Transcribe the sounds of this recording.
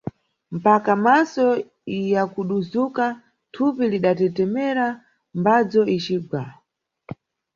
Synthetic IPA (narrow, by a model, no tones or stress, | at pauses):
m̩pakamasɔ | jakuɗuzuka | tʰupiliɗatɛtɛmɛɾa | mbad͡zɔʔit͡ʃiːɡwa